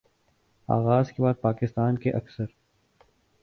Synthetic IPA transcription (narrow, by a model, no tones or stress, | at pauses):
a̰ːɣaːzkebaːd̪̚paːkɪst̪aːnkeʔɐksəɾ